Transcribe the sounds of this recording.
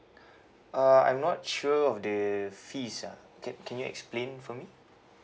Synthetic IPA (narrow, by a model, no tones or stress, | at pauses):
ʔaã̰jmnɔt̚ʃuəɔfdəfisa̰ | kɛ̃kʰɛ̃njuɛ̰ksplẽnfɔmi